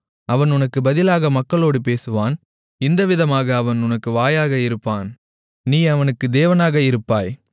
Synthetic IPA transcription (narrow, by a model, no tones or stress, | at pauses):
ɐʋɐnʊnɐkːɯbɐðɪlaːɣɐmɐkːɐɭoːɽɯp̬eːsɯʋaːn | ɪnd̪ɐʋɪðɐmaːɣɐːʋɐnʊnɐkːɯʋaːjaːɣɐɪɾɯpːaːn | niːɐʋɐnɯkːɯd̪eːʋɐnaːɣɐɪɾɯpːaːj